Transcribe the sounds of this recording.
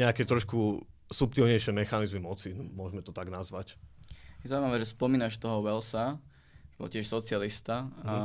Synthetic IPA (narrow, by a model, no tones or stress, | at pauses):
ɲɛakɛt̪ɾɔʃkusup̚t̪ilɲɛjʃɪɛmɛxanizmimɔt͡simʊɔʒmɛt̪ɔt̪aɡnazʋacjɛzawimaʋɛːʒɛspɔmiːnaʃt̪ɔɦɔʋɛlsa | ɛbɔ̰lcɪɛʃsɔt͡sɪalist̪a